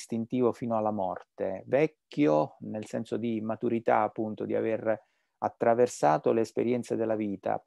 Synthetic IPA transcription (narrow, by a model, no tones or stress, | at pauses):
st̪int̪iːvofiːnoalːamɔ̰rt̪evɛkːjonelsɛnsod̪imat̪uɾit̪a̰apːunt̪od̪ia̰ver | at̪ːɾaversaːt̪oleːspeɾjɛnt̪sed̪elːaviːt̪a̰